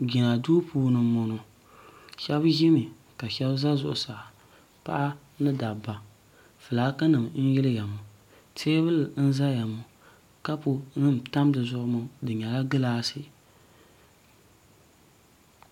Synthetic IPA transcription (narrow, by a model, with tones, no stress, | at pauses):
ɡɪ˨na˨duː˦puː˦nɨ˨mo˨nʊ˨ | ʃɛ˦bʒɪ˦mɪ˨ | ka˨ʃɛ˦bza˦zʊ˨ʔʊ˨saː˨ | pa̰˦ʔa˦ | nɨ˦da˨ba˨ | fɨ˨laː˨˦kɨ˦nɨ˨mn̩˦jɪ˦lɨ˦ja˨mʊ˨ | tʰeː˦bɨ˦ln̩˦za˦ja˨mʊ˨ | ka˦pʊ˨nɨ˦m˨ta˦mdɨ˨zʊ˦ʔʊ˦mʊ˦dɨ˨ɲɛ˨la˦ɡɨ˦laː˦sɪ˦˨